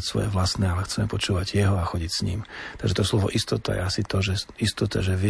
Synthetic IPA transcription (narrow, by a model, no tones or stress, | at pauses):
csʋɔ̰jɛʋlasnɛːalɛxt͡sɛmɛpɔt͡ʃuːʋaɟjɛɦɔaxɔɟicsɲḭːmt̪aɡʒɛt̪ɔslɔʋɔ̰ʔist̪ɔt̪a̰jɛ̰asit̪ɔʒɛist̪ɔt̪a̰ʒɛʋɪ